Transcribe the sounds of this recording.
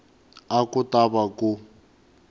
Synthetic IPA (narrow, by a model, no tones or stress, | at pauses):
akutaβaku